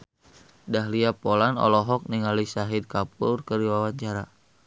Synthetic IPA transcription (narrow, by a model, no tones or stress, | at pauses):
daɦliapolanɔ̰lɔɦɔk̚niŋalisaɦid̚kap̚urkəɾiwawaɲt͡ʃaɾa